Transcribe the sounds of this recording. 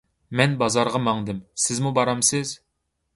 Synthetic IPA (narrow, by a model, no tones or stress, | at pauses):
mɛnbɑzɑɾʁɑmɑŋd̪ɨmsɪzmubɑɾɑmsɪz